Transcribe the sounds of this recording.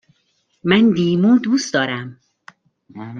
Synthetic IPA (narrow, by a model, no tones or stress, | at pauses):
mænd̪iːmuːd̪uːsd̪ɒːɾæm